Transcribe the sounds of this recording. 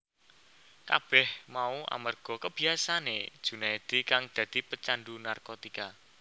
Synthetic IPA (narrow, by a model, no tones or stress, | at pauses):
ka̰b̥ɛhmaua̰mərɡ̥ɔ̤kəb̥i̤asane̥ʒ̥unaed̪̥i̤kaŋd̪̥ä̤d̪̥i̤pət͡ʃanɖunarkot̪ika